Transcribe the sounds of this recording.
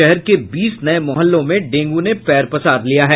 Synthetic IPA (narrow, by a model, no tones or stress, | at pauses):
ɛɦɛɾkebiːsnɐemɔɦəlːõmẽɖẽːŋɡunepɛːɾpɐsaːd̪lijaɦɛː